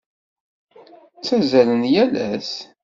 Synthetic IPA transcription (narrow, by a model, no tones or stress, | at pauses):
t͡sːæzælənjælæs